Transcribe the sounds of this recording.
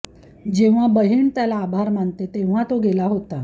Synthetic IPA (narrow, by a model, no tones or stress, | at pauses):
d͡ʑeʋ̤abəɦiːɳt̪jalaːbʱaɾmaɳt̪et̪ẽʋ̤at̪oɡʱelaɦot̪a